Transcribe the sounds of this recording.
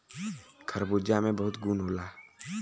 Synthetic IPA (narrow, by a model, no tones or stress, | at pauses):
kʰɐɾboːd͡ʒamẽbɐɦʊt̪ɡuːnɦoːlaː